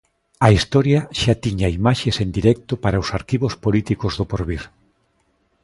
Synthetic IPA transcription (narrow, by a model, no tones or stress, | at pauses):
ɐist̪ɔɾjaʃat̪iɲaimaʃesend̪iɾɛk̚t̪ʊpaɾaʊsaɾkiβospolit̪ikozðopoɾβiɾ